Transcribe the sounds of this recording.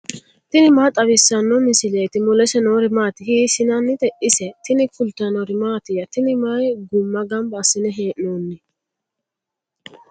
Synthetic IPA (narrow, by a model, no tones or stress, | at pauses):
t̪ɪnɪmaːt̪ʼɐβɪsːɐnːɔmɪsɪlɛjt̪ɪmʊlɛsɛnoːɾɪmaːt̪ɪhiːsɪnɐnːɪt̪ɛʔɪsɛt̪ɪnɪfʊlt̪ɐnɔɾɪmaːt̪ɪjɐt̪ɪnɪmajɡʊmːɐɡɐmbɐsɪnɛɦeːʔnoːnːɪ